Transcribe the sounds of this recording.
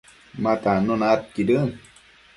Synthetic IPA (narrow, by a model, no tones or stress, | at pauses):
mat̪anonaːt̪̚kiɾɯn